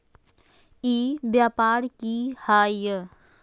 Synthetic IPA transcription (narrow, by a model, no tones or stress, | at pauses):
iːbjaːpaːɾkihaːjə